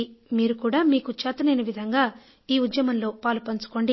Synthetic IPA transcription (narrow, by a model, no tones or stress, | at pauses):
miːɾukuːɽaːmiːkut͡ʃaːt̪ɐnɐjnɐʋid̪ʱɐŋɡaː | iːud̪jɐmɐnlo̞ːpaːlupɐnt͡ʃu̥ko̞ːɳɖi